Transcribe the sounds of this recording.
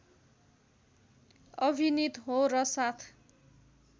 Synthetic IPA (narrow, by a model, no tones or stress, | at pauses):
ʌbʱinit̪ɦorʌsat̪ʰ